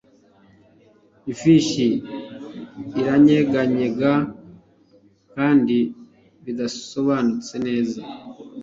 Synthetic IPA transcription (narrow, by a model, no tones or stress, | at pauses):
ifiʃi | ɾaɲe̞ɡaɲe̞ɡa | kaːndi | βidaso̞βaːnut͡se̞ne̞ːza